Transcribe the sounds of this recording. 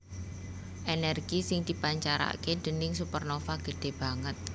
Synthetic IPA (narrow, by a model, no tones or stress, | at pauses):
ʔenɛrɡ̥isɪŋd̪̥i̤paɲt͡ʃaɾa̰ked̪̥ə̤nɪŋsupərnofaɡ̥ə̤ɖ̪̥e̤b̥a̤ŋət̪̚